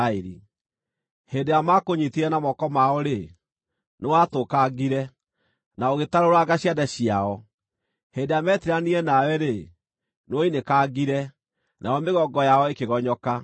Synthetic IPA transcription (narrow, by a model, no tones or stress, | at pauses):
eɾḭ | heːndejamakoɲitiɾɛnamɔkɔmaɔɾe | newatokaɡiɾɛ | naoɣetaɾoɾaɡaɕiadaɕiaɔ | heːndejamɛtiɾaniɛnawɛɾe | nwoinekaɡiɾɛ | nʔajɔmeɣɔɡɔjaɔekeɣɔɲɔka